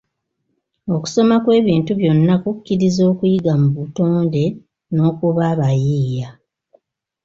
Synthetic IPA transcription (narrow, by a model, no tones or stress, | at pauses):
o̞ku̥so̞makwe̞ːβiːntuβjo̞nːakukːiɾizo̞ːkujiɡamuβuto̞ːnde̞ | no̞ːkuβaːβajiːja